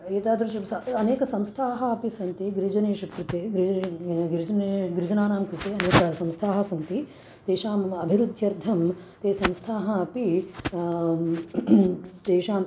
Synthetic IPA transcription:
eːt̪aːd̪ɾɐʃɐsɐɐneːkɐsɐmst̪ʰaːɦɐɐpisɐnt̪iɡɾid͡ʒɐneːʃɐkɾut̪eːɡɾiɡɾid͡ʒɐnɡɾid͡ʒɐnaːnaːmkɾut̪eːɐneːkɐsɐ̃mst̪ʰaːɦɐ̆sɐnt̪i | t̪eːʃaːmɐbʱiɾud̪ʱjɐɾd̪ʱɐm | t̪eːsɐ̃mst̪ʰaːɦɐɐpi | t̪eːʃaːm

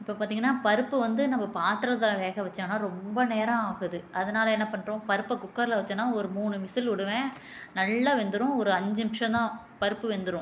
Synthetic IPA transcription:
ɪpːoːpaːɾt̪iːŋɡɐnːaːpɐɾɯpːɯʋɐnd̪ɯnɐmːɐpaːt̪ɪɾɐðɐlãʋeːɣɐʋɐt͡ʃːãːnaːɾɔmbɐneːɾãaːɣɯðɯʔɐðɐnaːlɐɛnːɐpɐɳːɾõːpɐɾɯpːɐkʊkːɐɾlɐʋɐt͡ʃːɐnːaːɔɾɯmuːɳɯʋɪsɪlʊɽɯʋẽː | nɐlːaːʋɛnd̪ɯɾʊ̃ɔɾɯɐɲd͡ʒɯɪʂɐ̃t̪ãː | pɐɾɯpːɯʋɛnd̪ɯɾʊ̃

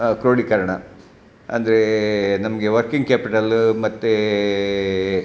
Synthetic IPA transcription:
kɾoːɽikɐɾɐɳɐ | ɐ̰nd̪ɐɾenɐmɐɡe̞ʋɐɾkiŋɡ̚kaːpiʈɐlmɐt̪ːe

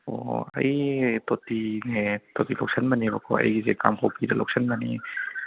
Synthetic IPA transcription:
o̰ɐ̰jtotinetotilɔk̚sɐnmɐnibɐkʰɔ̰ɐ̰jɡizekamkʰowpʰiɾɐlɔk̚sʰɐnmɐnḭ

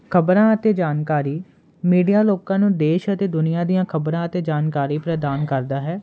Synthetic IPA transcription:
kʰəbɾãːət̪eːd͡ʒaːnkaːɾiː | miːɖijaːloːkãːnũːd̪eːʃət̪eːd̪ʊnɪjãːd̪ijãːkʰəbɾãːət̪eːd͡ʒaːnkaːɾiːpɾəd̪aːnkəɾd̪aːɦɛː

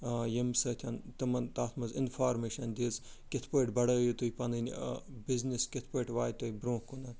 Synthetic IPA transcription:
jɐmsɐːt̪ʰʲɐnt̪ɐmɐnt̪aːt̪ʰmɐzɪnfaːɾmeːʃɐnd̪iz | kit̪ʰpɐːʈbɐɽɐːjit̪ujpɐnɨnʲbizniskʲit̪ʰpɐːʈʋaːjt̪ɐibɾõːkːunɐn

